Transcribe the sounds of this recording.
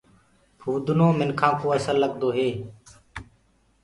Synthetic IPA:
pʰuːd̪ʊnoːmɪnkʰãːkoːəsəlːəɠd̪oːɦeː

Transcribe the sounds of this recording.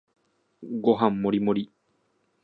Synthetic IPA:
ɡoɦãmːoɾimõɾi

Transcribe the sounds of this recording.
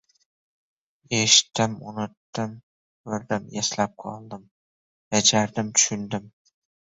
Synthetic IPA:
eʃɪ̥t̪ːɪmʊ̰nɪt̪ːɪm | vɪɾd̪ɪmjaslap̚qʰɒ̰lˠd̪ɪm | jad͡ʒaɾd̪ɪmt̪ʰʊ̥ʃʊnd̪ɪm

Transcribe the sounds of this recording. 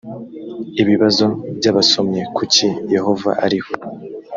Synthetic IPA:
iβiβazo̞bɟaːβaso̞mɲe̞kucije̞ho̞va̰ʔaɾiho

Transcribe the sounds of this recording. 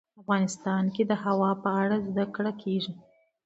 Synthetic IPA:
afɣɑnɪst̪ɑnked̪əhawɑpəaɽazd̪akɽakʰeʐi

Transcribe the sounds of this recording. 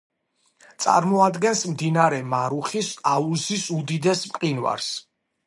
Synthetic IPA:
t̪sʼa̰ɾmɔad̪ɡɛnsmd̪inaɾɛmaɾuχisauzisud̪id̪ɛsmqʼinwa̰ɾs

